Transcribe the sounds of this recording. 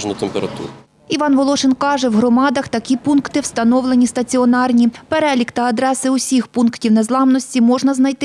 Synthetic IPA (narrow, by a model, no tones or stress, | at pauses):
ʒnʊt̪empeɾɐt̪ṵɾ | iʋɑnʋɔlˠɔʃɪnkɑʒɛwɦɾɔmɑd̪ɐxt̪ɐkʲipunkt̪ɪwst̪ɐnɔwlˠenʲist̪ɐt͡sʲiɔnɑrnʲipeɾɛlʲikt̪ɐɐd̪ɾɛsɪʊsʲixpunktʲiwnezlˠɑmnɔsʲtʲimɔʒnɐznɐjt̪ɪ